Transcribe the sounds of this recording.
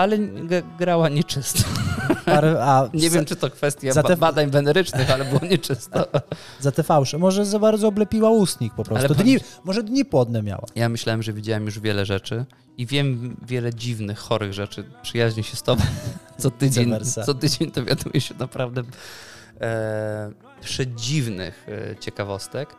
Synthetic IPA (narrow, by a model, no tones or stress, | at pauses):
alɛɡɡɾawaɲɛt͡ʂɘst̪ɔ̥aɾɛaɲɛvʲjɛmt͡ʂɨt̪ɔkfɛst̪ʲjaaɛbad̪aɲvɛnɛɾɘt͡ʂnɨxalɛbɘwɔɲɛt͡ʂɘst̪ɔ | zat̪ɛfawʂɛmɔʐɛzabaɾd̪zɔɔblɛpʲiwaust̪ɲik̚pɔpɾɔsalɛt̪ud̪ɲimɔʐɛd̪ɲipwɔd̪nɛmʲja̰wa̰jamɘɕlawɛmʐɛvʲid͡ʑawɛmjuʐvʲjɛlɛʐɛt͡ʂɘ | ivʲjɛmvʲjɛlɛd͡ʑivnɘxːɔɾɘɣʐɛt͡ʂɘpʂɘjaʑɲiɕɛst̪ɔbɛt̪sɔt̪ɘd͡ʑeɲɛɾssɔt̪ɘd͡ʑeɲd̪ɔvʲja̰d̪ujɛɕɛnapɾavd̪ɛ | pʂɛd͡ʑivnɪ̰xt͡ɕɛkavɔst̪ɛk